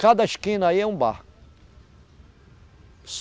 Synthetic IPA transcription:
kad̪ɐiʃkĩnɐaiɛũba̰hk | s

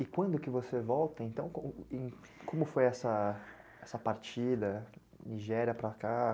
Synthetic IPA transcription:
ɪkwɐ̃nd̪ʊkɪvosevɔwt̪ɐẽnt̪ɐ̃w̃kõẽ | kõmʊfojɛsɐ | ɛsɐpaɾt͡ʃid̪ɐ | niʒɛɾiɐpɾɐka

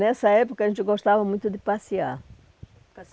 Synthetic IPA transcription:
nɛsɐɛpokɐʒẽnt̪ɪɡoʃt̪avɐmũj̃t̪ʊd̪ɪpasia̰

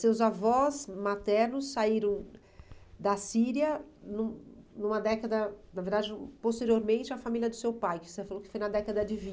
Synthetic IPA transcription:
sewzavɔzmat̪ɛɾnʊsːaiɾɐ̃w̃ | d̪ɐsiɾiɐnũnũmɐd̪ɛkɐd̪ɐnɐveɾd̪ad͡ʒɪ̃post̪eɾioɾmẽnt͡ʃɪɐfamiljɐd̪ʊsewpajkɪosefalokɪ̥fojnɐd̪ɛkɐd̪ɐd͡ʒɪvĩ

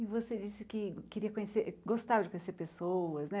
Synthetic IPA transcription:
ɪvosed͡ʒisɪkɪkeɾiɐkõɲeseɾɡost̪avɐd͡ʒɪkõɲeseɾpesoɐznɛ

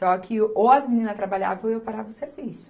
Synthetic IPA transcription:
sɔkʰɪowɐzminĩnɐst̪ɾabaʎa̰vɐ̃w̃ewpaɾavɐʊseɾvisʊ̥

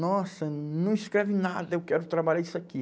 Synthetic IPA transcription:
nɔsɐnɐ̃w̃iskɾɛvɪna̰d̪ɐewkɛɾʊt̪ɾabaʎaɾisaki

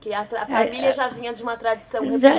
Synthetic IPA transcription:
kiat̪afamilˠjɐʒaviɲɐ̃d̪ʒumɐt̪ɾɐðisɐ̃w̪̃ʒa

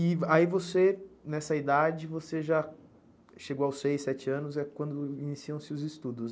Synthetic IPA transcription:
ɪaivosenɛsɐid̪ad͡ʒɪvoseʒa | ʃeɡowawsːejsɛt͡ʃɪɐ̃nʊzɛkwɐ̃nd̪ʊinisiɐ̃w̃sɪʊzɪst̪ud̪ʊs

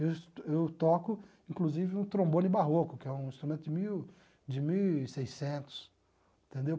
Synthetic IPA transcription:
ewewt̪ɔkʊ | ĩŋkluzivɪũt̪ɾõmbõnɪbaɦokʊkɪɛũĩst̪ɾumẽnt̪ʊd͡ʒɪmiw | d͡ʒɪmiwsejsẽnt̪ʊ̥s | t̪ẽnd̪ew

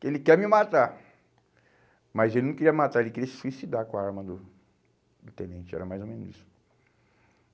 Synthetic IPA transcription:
kelɪkɛɾmɪmat̪a | mɐjzelɪnɐ̃w̃keiɾiɐmat̪aɾelɪkɪɾiɐssuisid̪aɾkõaaɾmɐd̪ʊ | d̪ʊt̪ẽnẽnt͡ʃɪɛ̰ɾɐmajzomẽnʊzisʊ̥

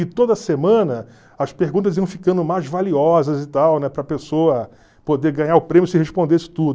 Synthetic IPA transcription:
ɪt̪od̪ɐsemɐ̃nɐ | ɐspeɾɡũt̪̬ɐziɐ̃w̃fikɐ̃nd̪ʊmajzvaliɔzɐzɪt̪awnɛpɾɐpesoɐ | pod̪eɾɡɐ̃ɲaɾʊpɾẽmjʊsɪheʃpõd̪esɪ̥t̪ud̪ʊ

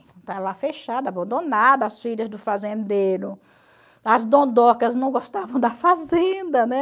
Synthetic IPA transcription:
t̪ɐ̃t̪alafeʃad̪ɐabɐ̃nd̪õnad̪ɐːsfiʎɐzd̪ʊfazẽnd̪eɾʊ | ɐzd̪õd̪ɔkɐznɐ̃w̃ɡɔst̪avɐ̃w̃d̪ɐfazẽnd̪ɐnɛ

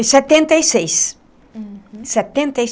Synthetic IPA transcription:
sɛt̪ẽnt̪ɐjsejs | sɛt̪ẽnt̪ɐj

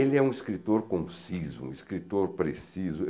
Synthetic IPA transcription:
elɪɛũiskɾit̪oɾkõsizʊ̰ṵ̃iskɾit̪oɾpɾesizʊe

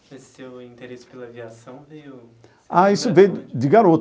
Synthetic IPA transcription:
e | ewĩt̪eɾesɪ̥elɐviasɐ̃w̃vej | aisʊvẽjd̪ɪɡaɾot̪

